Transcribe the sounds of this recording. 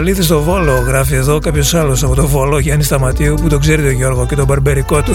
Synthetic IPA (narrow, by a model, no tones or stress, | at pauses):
liθis̬t̪ovo̞lo̞ɣɾɐfie̞ðo̞kɐpço̞sɐlosɐpo̞t̪o̞vo̞lo̞ʝɐnist̪ɐmɐt̪iuput̪o̞ɡze̞ɾit̪o̞ʝo̞ɾɣoce̞t̪o̞bɐɾbeɾiko̞t̪u